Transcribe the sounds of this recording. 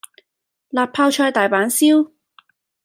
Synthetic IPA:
laː˨pʰːaː˧wt͡ʃʰɔː˧jt̪aː˨jpaː˨˥nsiː˥w

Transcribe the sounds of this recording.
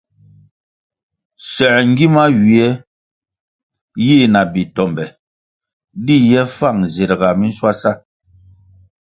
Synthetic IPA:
sɛ˨ŋ˦ɡi˦ma˦ɥi˨ɛ˦ | ji˦˨na˨bi˨tɔ˨mbɛ˨ | di˦jɛ˦fa˦˨ŋze˨ɾɡa˨mi˦n̩˦swa˦sa˦

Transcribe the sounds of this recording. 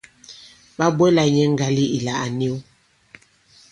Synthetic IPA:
ba˦bwɛ˦la˨ɲɛ˦ŋ̩˦ɡa˨li˦i˨la˨ʔa˨ni˦w

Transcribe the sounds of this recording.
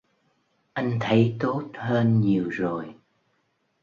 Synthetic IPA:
ʔa˧jŋ̟t̪ʰə˨˦jt̪o˦˥t̚həː˧nɲi˨˩əwzo˨˩j

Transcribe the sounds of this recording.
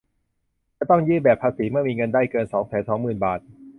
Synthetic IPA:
t͡ɕa˧˩t̪ɔ˥˩ŋjɯː˥˩bɛː˨˩pʰːaː˧siː˩˦mɯ˥˩ɐmiː˧ŋɤ˧ndaː˥˩jkɤː˧nsɔː˩˦ŋsɛː˩˦nsɔː˩˦ŋmɯː˨˩nbaː˨˩t̪̚

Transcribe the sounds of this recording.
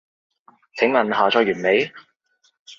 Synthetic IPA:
t͡sʰɪ˨˥ŋlɐ˨˩nɦaː˨˩t͡sʰɔː˧jɥyː˨˩nme˨˧j

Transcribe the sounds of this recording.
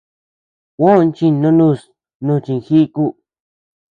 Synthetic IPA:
wõ˦˧nt͡ʃĩ˧nõ˧nũ˧˨s | nũ˧t͡ʃĩ˧ŋ˨xi˦ku˦

